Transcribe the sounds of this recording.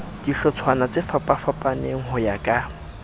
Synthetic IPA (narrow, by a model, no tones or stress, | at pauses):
d̥iɬɔt͡sʰwanat͡sʼɪfapʼafapʼaneŋ̩hʊjakʼa